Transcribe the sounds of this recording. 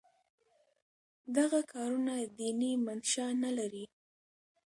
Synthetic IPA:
d̪aɣakʰɑɾunad̪inimanʃanalaɾi

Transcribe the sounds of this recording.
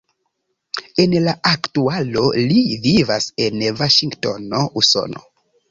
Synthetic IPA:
e̞nlaʔaktualo̞livivase̞nvaʃiŋɡtono̞ʔuso̰no̰

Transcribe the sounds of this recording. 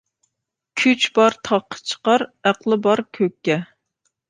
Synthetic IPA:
kʲʰyt͡ʃbɑɾt̪ʰɑqʰːə̥t͡ʃʰə̥qɑɾæqlˠɨbɑɾkʲʰøkʲːɛ

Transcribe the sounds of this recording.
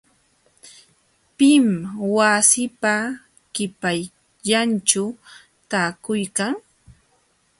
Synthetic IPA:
pɪmwasɪpa | kɪpaj | ʎant͡ʃʊ | t̪aːkʊjkaŋ

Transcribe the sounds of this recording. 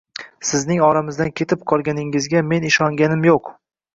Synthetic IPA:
sɪznɪŋɒɾamɪzd̪ankʲʰe̞t̪ʰɪp̚qʰɒlˠɡʲanɪŋɪzɡʲame̞nɪʃɒŋɡʲanɪmjoq

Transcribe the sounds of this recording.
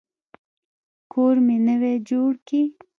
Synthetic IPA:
koːɾminəwed͡ʒoːɽki

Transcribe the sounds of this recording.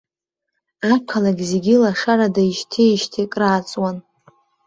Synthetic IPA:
akʰalaɡʲzeɡʲilaʂaradaiʃtʰeʃtʰekʼraːt͡sʼwan

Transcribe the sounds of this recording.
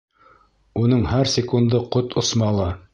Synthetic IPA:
unɤɴhæɾsʲɪkund̪ɤqot̪ŏsmɑlˠɑ

